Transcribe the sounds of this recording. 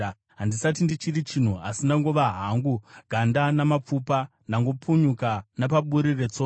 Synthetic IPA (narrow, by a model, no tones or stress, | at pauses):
ɦandisat̬indit͡ʃirit͡ʃin̤ua̰sindaŋɡoʋaɦaŋɡuɡ̥ʱandanamap͡fupa | ndaŋɡo̞puɲukanapaɓuɾiret͡so